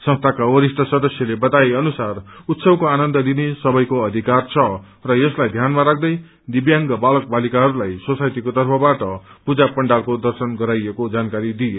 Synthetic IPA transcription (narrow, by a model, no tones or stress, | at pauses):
sʌ̃ŋst̪ʰakawʌɾisʈʌsʌd̪ʌsjʌlebʌt̪aeʌnusarut̪sʌbkoanʌnd̪ʌlinesʌbʌjkoʌd̪ʱikart͡sʰʌ | rʌjʌslajd̪ʱjanmaɾak̚ʰd̪ʌj | d̪ibjaŋɡʌbalʌk̚balikaɦʌɾulajsʌsajt̪ikot̪ʌrpʰʌbaʈʌpud͡zapʌɳɖalkod̪ʌrsʌnɡʌɾajekod͡zankaɾid̪ije